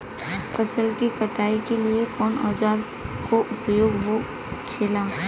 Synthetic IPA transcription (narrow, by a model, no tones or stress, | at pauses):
fɐsəlkikɐʈaːikeliekɔːnɔːd͡ʒaːɾ | koʔʊpjoːɡɦo | kʰeːlaː